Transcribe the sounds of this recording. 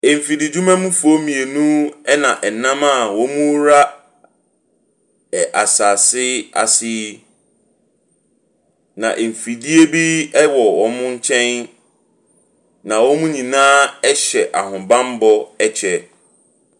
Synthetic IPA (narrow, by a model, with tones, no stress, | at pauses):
e˨m˨fi˨di˨d͡ʑu˦mɛ̃˦mũ˦fu˨o˦mĩ˨e˨nũ˦ɛ˦nã˨ʔɛ˨nã˦ma˦˨wɔ˦mũ˦ɾa˦˨ | ʔa˨saː˨sɪ˦a̰˨sɪ˦ | nã̰˨ʔe˨m˨fi˨di˦e˦bi˦ɛ˦wɔ˨wɔ˨mʊ̃˦ɲ̩˦t͡ɕʰɛ̃˦n | nã˨wɔ˦mũ˦ɲĩ˨nãː˦ɛ˦ɕɛ˨ʔa˨hʊ̃˨bã˦m˦bɔ˦ɛ˦t͡ɕʰɛ˦